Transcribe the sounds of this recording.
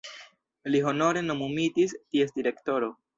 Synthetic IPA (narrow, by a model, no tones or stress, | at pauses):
liɦo̞no̞ɾe̞no̞mumitistie̞st̚diɾe̞kto̞ɾo̞